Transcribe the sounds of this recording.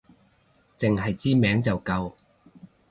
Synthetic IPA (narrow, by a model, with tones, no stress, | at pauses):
t͡sɪ˨ŋɦɐ˨jt͡siː˥mɛː˨˥ŋt͡sɐ˨wkɐ˧w